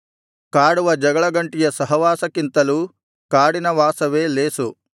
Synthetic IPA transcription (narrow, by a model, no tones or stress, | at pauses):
kaːɽuʋɐd͡ʒɐɡɐɭɐɡɐɳʈijɐsɐɦɐʋaːsɐkint̪ɐlu | kaːɽinɐʋaːsɐʋe̞ːleːsu